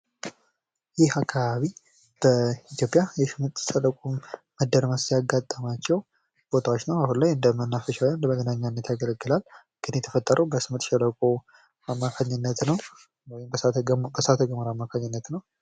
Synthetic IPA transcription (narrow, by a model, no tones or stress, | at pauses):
jɪhakʰːaβaβi | b̥əit̪jo̞pʼijajɛʃɨmɨɾt̪ʼʃələkʼuməd̪ːəɾməsijaɡat̪ʼːamat͡ʃːɛw | b̥o̞t̪ʰawot͡ʃːnəwahunlajɨnd̪əmənːafəʃawɨnd̪əməɡənaɲːanːət̪jaɡələɡːɨlal | ɡ̥ɨnjɛt̪ʰəfət̪ʼːəɾʔəwbəsɨmɨɾt̪ʃələkʼo | amːakʰaɲːɨnːət̪nəw | wɔjɪmbəsat̪ʰəɡəməɾamːakʰaɲːɨnːət̪nəw